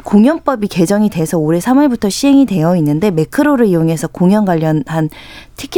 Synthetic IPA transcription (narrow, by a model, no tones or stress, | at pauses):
koŋjʌnp͈ʌbike̞d͡ʑʌŋide̞sʰʌoɾe̞sʰamʌɭbutʰʌɕʰiɦe̞ŋide̞jʌinːɯnde̞me̞kʰɯɾoɾɯɭijoŋɦe̞sʰʌkoŋjʌnɡwaʎːʌnhantʰikʰ